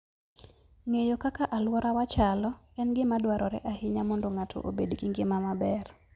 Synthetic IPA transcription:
ŋejokakaʔalwɔɾawat͡ʃalɔkɛnɡɪmadwaɾɔɾɛ̰ʔahɪɲamɔndoŋatʰo̰ʔo̰bedɡiŋɡɪmamabɛr

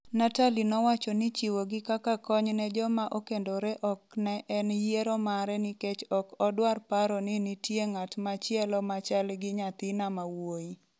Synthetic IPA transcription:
natalinɔwat͡ʃɔnɪt͡ʃiwoɡɪkakakɔɲnɛd͡ʒɔmaʔokendoɾɛʔɔknɛʔɛnjeɾɔmaɾɛnɪket͡ʃɔkɔdwarpaɾɔnɪnɪtjeŋatmat͡ʃɛlɔmat͡ʃalɡɪɲat̪ɪnamawoi

